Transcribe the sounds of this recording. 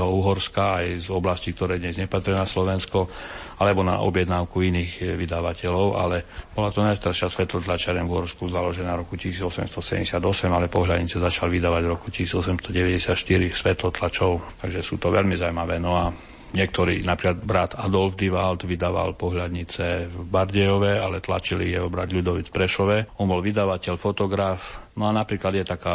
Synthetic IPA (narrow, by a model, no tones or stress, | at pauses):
ɦɔuɦɔɾskaajzɔblascik̚t̪ɔɾɛːd̪ɲɛzɲɛpat̪ɾinaslɔʋɛnskɔalɛbɔna̰ʔɔ̰bjɛd̪naʊkuiniːɣʋid̪aʋacɛlɔʊʔa̰lɛb̥ɔlat̪ɔnajst̪aɾʃɪasʋɛt̪lɔt̪lat͡ʃaɾɛnvuɦɔɾskuzalɔʒɛnaɾɔkucisiːd͡zɔsɛ̰mst̪ɔsɛɛ̰ɲɟɛsɪad̪ɔsɛmalɛpɔɦʎad̪ɲit͡sɛzat͡ʃalʋid̪aːʋaɟɾɔkucisiːd͡zɔsɛmst̪ɔɟɛʋɛɟɛsɪat̪ʃt̪iɾisʋɛt̪lɔt̪lat͡ʃɔʊt̪aɡʒɛsuːt̪ɔʋɛlmizawmaʋɛːnɔa | ɲɛk̚t̪ɔɾḭːnapɾiːklad̪bɾat̪ad̪ɔlfd̪iʋalt̪ʋid̪aːʋa̰lpɔɦʎad̪ɲit͡sɛvbaɾɟɛjɔʋɛalɛt̪la̰t͡ʃilijɛɔbɾad̪ʎud̪ɔʋit͡sfpɾɛʃɔʋɛɔnbɔlʋid̪aʋacɛʎfɔt̪ɔɡɾafnɔanapɾiːklad̪jɛt̪akaː